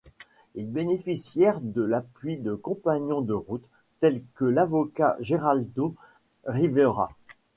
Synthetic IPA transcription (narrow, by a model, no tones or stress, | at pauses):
ilbenefisjɛʁd̪əlapɥid̪əkɔ̃paɲɔ̃d̪əʁut̪ː | ɛlkəlavɔka̰ʒeʁald̪o | ʁiveʁa̰